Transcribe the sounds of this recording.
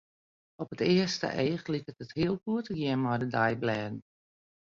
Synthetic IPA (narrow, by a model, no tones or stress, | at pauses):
ɔpətɪəstə̰ʔeːχlikətəthiəlˠkuətəɡjɪnmɔjdədajblɛːdn̩